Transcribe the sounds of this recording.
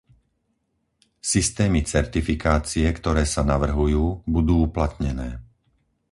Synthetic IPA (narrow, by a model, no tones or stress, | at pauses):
sist̪ɛːmit͡sɛɾt̪ifikaːt͡siɛkt̪ɔɾɛːsanaʋr̩ɦujuːbud̪uːuplat̪ɲɛnɛː